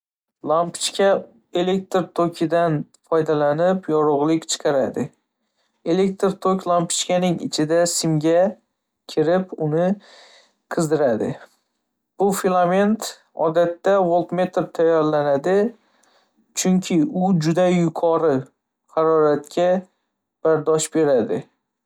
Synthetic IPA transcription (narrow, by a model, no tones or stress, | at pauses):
lˠampt͡ʃkʲʰa | e̞lek̚ʲt̪ɾt̪ʰokʲʰɪd̪anfɒjd̪alanɪpjɒɾʊʁlˠɪkʲt͡ʃʰɨ̥qʰɑɾad̪ɪ | e̞le̞k̚ʲt̪ɾt̪ʰokʲlˠampʰɪ̥t͡ʃkʲanɪŋɪ̰t͡ʃʰɪd̪asɪmɡʲa | kʲʰɪɾɪpʊnɪ | qʰɨzd̪ɪɾad̪ɪ̰ | b̥ʊfilˠame̞nt̪ | ɒ̰d̪at̪ːawolˠt̪me̞t̪ɾt̪ʰajːɒɾlanad̪ɪ | t͡ʃʰʊŋkʲʰɪʊd͡ʒʊd̪ajʊkʰɒɾɪ | hɑɾɒɾat̪kʲʰa | b̥aɾd̪ɒʃbe̞ɾad̪ɪ